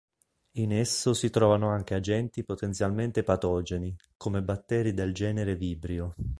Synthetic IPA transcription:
inesːosit̪ɾɔːvanoaŋk̟ead͡ʒɛnt̪ipot̪ent̪sjalment̪epat̪ɔːd͡ʒenikomebat̪ːɛːɾid̪eld͡ʒɛːneɾeviːbɾjo

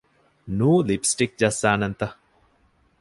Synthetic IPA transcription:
nuːlipsʈik̚d͡ʒɐsːaːnɐnt̪ɐ

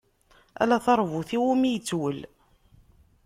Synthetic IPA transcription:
æ̰læθɑɾˤvuθiwumijət͡sːwəl

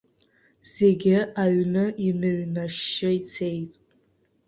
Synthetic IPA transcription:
z̥e̞ɡʲɪaɥnɨinɨɥnaʃːɪit͡sʰe̞jtʼ

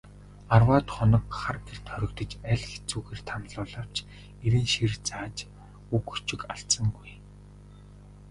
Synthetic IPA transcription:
arwaːt̪χɔnɞ̆kχarɡer̥t̪χœɾʲɪ̆kt̪ə̆t͡ɕæɮʲxe̥t͡suːɣeːrt̪ʰamɮʊːɮaːw̥t͡ɕ | eɾiːnʃirt͡saːt͡ɕ | uku̥t͡ɕɪ̆kaɬt͡sə̆ŋɡuj

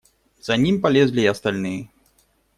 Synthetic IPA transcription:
z̥anʲimʲpalʲɛzlʲiːɐst̪alʲnɨjɛ

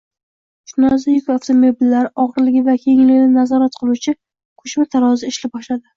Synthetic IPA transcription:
t͡ʃʰʊnazajʊkʲaft̪ʰomobɪlːaɾɒʁɨɾlɪɡʲɪvakʲʰejɪŋlɪɡʲnɪnazɒɾat̪qʰɨlˠut͡ʃʰɪ | kʰɵʃmat̪ʰaɾɒzɪɪʃlɪp̚bɒʃlad̪ɪ

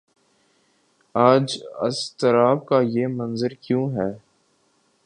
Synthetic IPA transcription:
aːd͡ʒɐ̰st̪əɾaːb̚kajeːmɐ̃nzəɾkjũːɦɛː

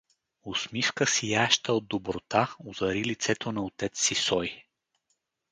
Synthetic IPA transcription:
osmifkəsijaʃt̪əod̪̚ːobɾot̪aʊzɐɾilit̪sɛt̪ʰonɐot̪ɛt̪sːisɔj

